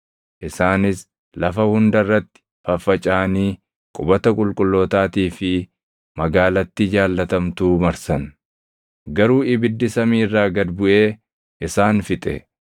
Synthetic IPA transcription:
ʔɪsaːnɪs | lɐfɐhʊnd̪ɐrːɐt̪ːɪ̥ | fɐfːɐt͡ʃʼaːniː | kʼʊbɐt̪ɐkʼʊlkʼʊlːoːt̪aːt̪iːfɪ | mɐɡaːlɐt̪ːɪd͡ʒaːlːɐt̪ɐmt̪uːmɐɾsɐn | ɡɐɾuːɪbɪd̪ːɪsɐmiːrːaːɡɐd̪bʊʔe̞ː | ʔɪsaːnfɪt̪ʼɛ̰

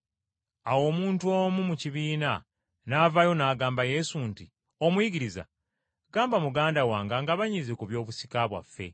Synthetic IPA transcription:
awo̞ːmuːntuo̞ːmumuciβiːna | navajo̞naːɡaːmbaje̞sunti | o̞mwiɡiɾiza̰ | ɡaːmbamuɡaːndawaːŋɡaŋɡaβaɲizikuβjo̞ːβusi̥kaβwa̰fːe̞̰

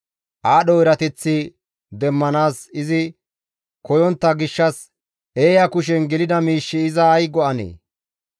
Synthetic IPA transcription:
ʔaːɗɔɪɾɐt̪ɛt͡sːɪ | d̪ɛmːɐnaːsɪzɪ | kɔjɔnt̪ːɐɡɪʃːɐs | eːjɐkʊʃ̬ɛnɡɛlɪd̪ɐmiːʃːɪɪzɐːjɡɔɐnḛː

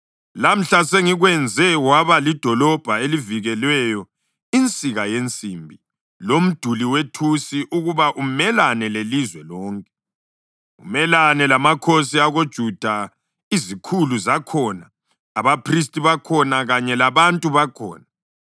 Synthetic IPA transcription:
lam̩ɬaseŋiɣwɛnd͡zʱɛwaβalid̥ʱɔlɔb̥ʱaeliviɣɛlwɛjɔ | int͡sʼiɣajent͡sʼimbʱi | lom̩d̥ʱuliwetʰusiʔuɣuβaʔumɛlanɛlelizwɛlɔːŋkʼɛ | ṵmɛlanɛlamakʰos̬iaɣod̥ʒ̥ʱud̥ʱa | izikʰuluzakʰɔnaː | βapʰris̬tʼiβakʰɔnaɣaɲɛlaβantʼuβakʰɔ̰ːna

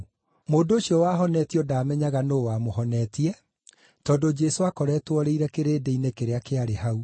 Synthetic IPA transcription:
moːndooɕiɔwaːɦɔnɛːtiɔdaːmɛɲaɣanoːwamohɔnɛːtiɛ | tɔdod͡ʒɛsoakɔɾɛːtwɔɾeiɾɛkeɾeːdeinekeɾeakeaɾeɦau

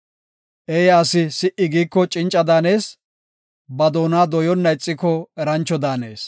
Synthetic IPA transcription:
ʔɛjaːsɪsɪʔɪɡiːkːɔt͡ʃʼɪnt͡ʃʼɐd̪aːne̞ːs | bɐd̪o̞ːnaːd̪ɔjɔnːɐɪt͡sʼːɪkːɔɛɾɐnt͡ʃːɔd̪aːneːs

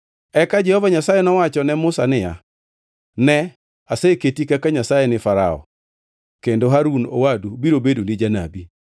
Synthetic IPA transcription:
ɛkad͡ʒɛhɔvaɲasajɛnɔwat͡ʃɔnɛmʊsanɪja̰ | nɛ | aseketikakaɲasajɛnɪfaɾa̰ɔ̰ | kendoɦaɾuno̰wadubiɾobedunɪd͡ʒana̰bi

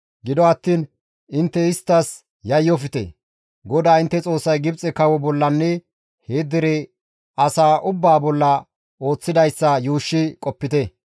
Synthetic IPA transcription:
ɡɪd̪ɔɐt̪ːiːn | ɪnt̪ːɛɪst̪ːɐs | jɐjːɔfɪt̪ɛ̰ | ɡɔd̪aːɪnt̪ːɛt͡sʼo̞ːsːɐjɡɪbt͡sʼɛkɐwɔbɔlːɐnːɛ | heːd̪ɪɾɛ | ɐsaːʔʊbːaːbɔlːɐ | o̞ːt͡sːɪd̪ɐjsːɐjuːʃːɪkʼɔpːɪt̪ɛ

